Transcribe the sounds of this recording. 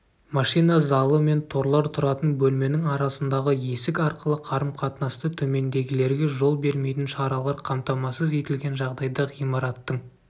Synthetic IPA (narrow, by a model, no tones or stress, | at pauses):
mɑʃijnɑzɑlˠəme̞nt̪ʰo̞ɾlˠɑɾt̪ʰʊɾɑt̪ənbɵlme̞nɪŋɑɾɑsənd̪ɑʁəje̞sɪkɑɾqəlˠəqʰɑɾəmqʰɑt̪nɑst̪ət̪ʰɵme̞nd̪e̞ɡʲɪle̞ɾɡʲe̞ʒo̞lˠbe̞ɾme̞jt̪ɪnʃɑɾɑlˠɑɾqʰɑmt̪ɑmɑsəze̞t̪ɪlɡʲe̞nʒɑʁd̪ɑjd̪ɑʁijmɑɾɑt̪ːəɴ